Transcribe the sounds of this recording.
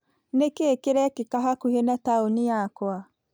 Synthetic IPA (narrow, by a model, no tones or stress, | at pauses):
nekeːkeɾɛkekaɦakuhenataonijakwa